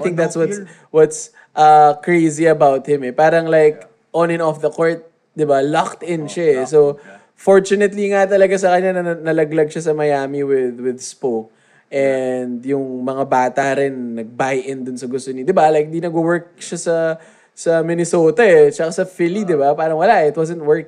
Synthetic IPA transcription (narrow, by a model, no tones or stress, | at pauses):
θɪ̃ŋk̚d̪at̪swɐt | wɔt̪s | ʔɐkɹejziɐbawt̪̚hɪ̃mɛpaːɾɐŋlajk | ʔɔ̃nɪ̃nɔfðɐkoɹt̪̚ | d̪ɪbalakt̪ɪ̃nʃaɛso | foɹt͡ʃʊnɛt̪liŋat̪ɐlɐɡas̬ɐkɐɲːanɐɐnɐlɐɡlɐɡ̚ʃasɐmɐjaːmiwɪðwɪðspok | ʔɛnd̪jʊŋmɐŋabaːt̪ɐɾɪnːɐɡ̚bajʔɪnd̪ʊnsɐɡʊst̪onɪd̪ɪbalajk̚ɪd̪inɐɡʊwɛɹk̚ʃasɐ | sɐmɪnɛsoːt̪ɐɛt͡ʃɐkasɐfɪlid̪ɪbapaːɾɐŋwɐlaʔɪt̪wɔzɛ̃nt̪̚wɛɹk